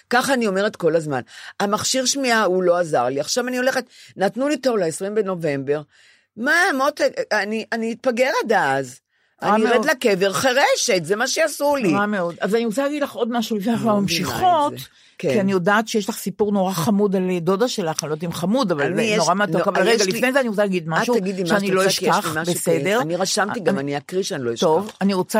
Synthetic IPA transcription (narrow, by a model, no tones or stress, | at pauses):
kaχaːnio̞meʁet̪kolazma̰namaχʃiʁʃmiaulo̞aza̰ʁliaχʃavanio̞le̞χet̪nat̪nulit̪o̞ʁlaesʁimbeno̞ve̞mbe̞ʁ | mamot̪eaniʔaniːt̪̚paɡeʁed̪aaz | anaiʁedlakeveʁχeʁeʃet̪zemaʃeasuliʁameo̞d̪azaniosalaɡidlaχʔo̞dmaʃulifneaχamamʃiχo̞t̪ | kkianijo̞daːt̪ʃejeʃlaχsipuʁno̞ʁaχamudaldodaʃe̞laχnlot̪imχamudavalnoʁamat̪okavalʁeɡalinejzeaniot͡salaɡid̪maʃuaɡid̪imʃeaniloiʃaχmabesed̪e̞ʁniʁaʃamt̪iɡmaniakʁiʃanilojiʃt̪ovaniʁot͡sa